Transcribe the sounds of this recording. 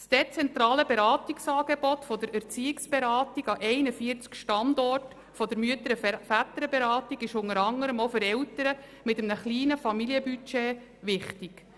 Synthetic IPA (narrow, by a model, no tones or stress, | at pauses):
sd̥ɛt͡sɛnt̪ɾɑːləbeɾɑːtiksɑːɡ̥ebɔtfɔdəɾæɾt͡siːɪksb̥eɾɑːtiɡɑʔɛɪnəfiːəɾt͡skʃtɑndɔrt | fɔdəɾmyətəɾəfæt̪əɾəbeɾɑːtiɡɪʃʊŋəɾɑŋəɾəmofɵɾɛltəɾəmɪtəmnəχliːnəfɑmiliəbyt͡ʃɛ | ʋɪχtiɡ̥